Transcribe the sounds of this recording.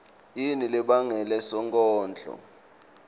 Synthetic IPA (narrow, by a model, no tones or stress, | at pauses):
jinilɛɓaŋɛlɛsɔŋkʼɔːnd͡ɮʱʼɔ̰